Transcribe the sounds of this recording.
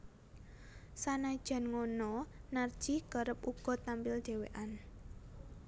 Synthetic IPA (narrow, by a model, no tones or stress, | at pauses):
sanaid̥ʒ̥a̤nŋonɔnard̥ʒ̥i̤kəɾəp̚uɡ̥ɔ̤t̪ampɪlʒ̥e̤wḛʔan